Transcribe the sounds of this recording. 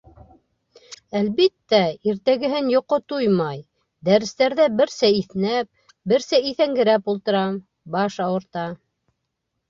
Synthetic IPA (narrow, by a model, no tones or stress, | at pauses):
ælβit̪ːæiɾt̪æɡɘ̆ɦɘnjŏqot̪ujmɑj | d̪æɾɘ̆st̪æɾðæbɘ̆ɾsæiθnæp̚ | bɘɾsæiθæŋɡɘ̆ɾæpulˠt̪ɤ̆ɾɑm | bɑʃɑwɤ̆ɾt̪ɑ